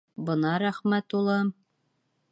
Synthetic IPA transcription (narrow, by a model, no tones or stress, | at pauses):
bɤ̆nɑɾæχmæt̪ulˠɑ